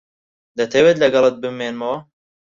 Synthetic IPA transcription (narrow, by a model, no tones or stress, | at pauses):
d̪ɛt̪ʰɛweːt̪lɛɡɛlɨt̪̚bɨmeːnmoː